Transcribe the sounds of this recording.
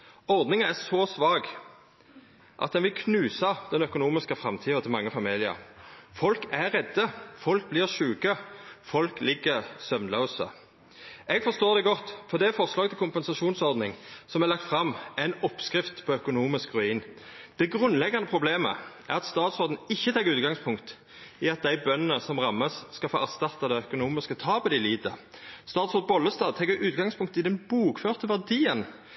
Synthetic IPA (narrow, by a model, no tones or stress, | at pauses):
ɔɾd̪nɪŋæʁsɔːsʋɑːɡ | ʔɑ̰t̪̚d̪ɛnʋɪlkʰnʉːsɑd̪̥ɛnœkʊnuːmɪskəfɾʁɑmt̪ʰiːɑt̪ʰɪlmɑŋːəfɑmiːlɪə̰ʁfɔlkæɾɛd̪ːəfɔlk̚blɪʁʃʉːkəfɔlklɪɡːəʁsœʋnlɑsə̰ | ɛɡfɔʂst̪oːʁd̪ɛɡɔt̪ːfɔʁd̪ɛæɾfɔʁslɑːɡət̪ʰɪlkʊmpɛnsɑʂuːnsɔʁd̪nɪŋsɔmæʁlɑk̚t̪fʁɑmɛɪnɔpskʁɪft̪pʰɔœkʊnuːmɪskʁʉiːn | d̪̥ɛɡʁʉnlɛɡːɑnəpʰʁʊbleːmə̰ʔæʁɑt̪st̪ɑːt̪sɔʁd̪n̩ɪçːət̪ʰɑːɡʉːt̪̚ɡɑŋspʰʊŋkt̪ | ɪɑt̪̚d̪æɪbœnənəsɔmʁɑmːəsskɑlfo̰ːʔæʁst̪ɑt̪ːɑd̪æœkʊnuːmɪskət̪ʰɑːbəd̪ɪliːd̪əst̪ɑːt̪sɔːd̪bɔlːəst̪ɑːd̪̚t̪ʰɛɡəʔʉːt̪̚ɡɑŋspʰʊŋkt̪ɪd̪ɛnbuːkføːʁt̪əʋæʁd̪iːən